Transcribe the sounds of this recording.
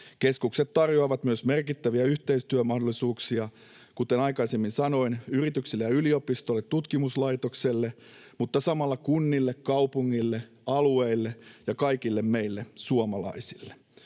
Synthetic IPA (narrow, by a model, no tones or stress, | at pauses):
keskukset̪tɑrjoɑːʋɑt̪myøsmerkit̪ːæʋiæyht̪eist̪yømɑhdolːˑisuːksiɑ | kut̪enɑjkɑisemːinsɑno̞inyrit̪yksilːejɑyliopist̪olːet̪tut̪kimuslɑit̪okselːe | mut̪ːɑsɑmɑlːɑkunːilːekkɑupuŋːilːe | ɑlueilːejɑkɑikilːemme̞ilːesuomɑlɑ̰isilːe̥